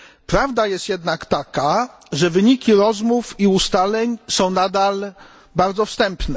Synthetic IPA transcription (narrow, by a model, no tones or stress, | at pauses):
pɾavd̪ajɛst̪jɛd̪nakt̪aka | ʐɛvɘɲikʲiɾɔzmufiust̪alɛɲsɔ̃w̃nad̪al | baɾd̪zɔfst̪ɛmpnɛ